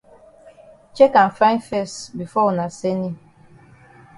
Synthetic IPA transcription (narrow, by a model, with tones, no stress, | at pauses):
t͡ʃe˦ka˨n˨fɾã˦ɪ̃˦nfɛ˦˨stbi˨fɔ˦u˨na˨se˦ni˦